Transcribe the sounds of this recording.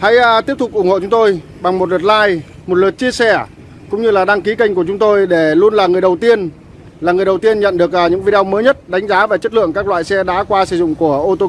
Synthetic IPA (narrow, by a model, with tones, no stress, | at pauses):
ha̰˧˥jt̪i˦˥əp̚t̪ʊ˨˩ʔʊ˧˩ŋ͡mho̰˧˨t͡ɕʊ˨˦ŋ͡mt̪o˧j | ɓa˨˩ŋmo˨˩t̚lə˨˩t̚laː˧j | mo˨˩t̚lə˨˩t̚t͡ɕi˧əsɛ˧˩ | kʊ̰˧˥ŋ͡mɲɨ˧laː˨˩ɗaː˧ŋki˨˦ka˧jŋ̟ku˧˩ət͡ɕʊ˨˦ŋ͡mt̪o˧jɗe˧˩lu˧ənlaː˨˩ŋɨ˨˩əjɗə˨˩wt̪i˧ən | laː˨˩ŋɨ˨˩əjɗə˨˩wt̪i˧ənɲə̰˧˨nɗɨ˨˩ək̚ːɲɨ̰˧˥ŋvi˧ɗe˧wməː˨˦jɲə˦˥t̚ɗa˨˦jŋ̟zaː˨˦vaː˨˩t͡ɕə˦˥t̚lɨ̰˧˨əŋkaː˦˥k̚lwa̰ː˧˨jsɛ˧ɗa̰ː˧˥kwaː˧sɨ˧˩zʊ̰˧˨ŋ͡mku˧˩əʔo˧t̪o˧